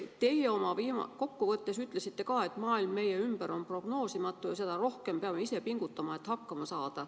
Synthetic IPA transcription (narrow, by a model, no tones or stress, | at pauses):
t̪e̞je̞o̞mɑviːmɑ̰ko̞kːuvɤt̪ːe̞syt̪ːˑle̞sit̪ːe̞kɑːe̞t̪ːˑmɑːilmːe̞je̞ymb̥æɾo̞npro̞ɡ̥no̞ːsimɑt̪ːˑujɑsed̪̥ɑɾo̞hke̞mpeɑmeise̞piŋɡ̥ut̪ːɑmɑe̞t̪hɑkˑːɑmɑsɑːd̪̥ɑ